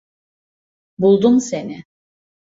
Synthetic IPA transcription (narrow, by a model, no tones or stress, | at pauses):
bulˠd̪umse̞nɪ